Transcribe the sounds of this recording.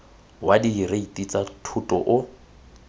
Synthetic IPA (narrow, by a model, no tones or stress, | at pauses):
wadiːreitʼit͡sʼatʰutʼɔʔʊ